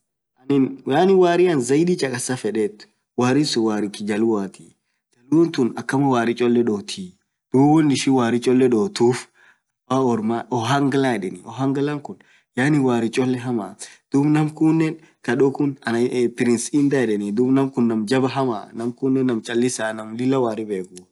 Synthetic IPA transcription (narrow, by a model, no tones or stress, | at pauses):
ʔɐnɪnjaːnɪwaːɾɪɐnzɐjd̪iːt͡ʃʼɐkʼɐsafɛᶑeːt̪ːʊ̥ | waːɾɪsʊwaːɾɪkːɪd͡ʒɐlʊwaːt̪i̥ | d͡ʒɐlunt̪ʊnɐkːɐmɐwaːɾɪt͡ʃʼɔlːɛɗoːt̪ʰiː | d̪̥uːbɔnːɪʃɪwaːɾɪt͡ʃʼɔlːɛᶑoːt̪uːf | waɔɾmaʔɔɦɐŋɡlaɛᶑɛniɔɦɐŋɡɐlɐŋkʊn | jaːnɪwaːɾɪt͡ʃʼɔlːɛɦɐmad̪̥uːbnɐmkʊnːɛn | kɐɗɔkʊnɐnpɪɾɪnsɪnd̪aɛᶑɛnid̪uːbnɐmkʊnːɐmd͡ʒɐbɐɦɐma̰ːnɐmkʊnːɛnːɐmt͡ʃʼɐlːɪsaːnɐmlɪlːɐwaːɾɪbeːɡʊ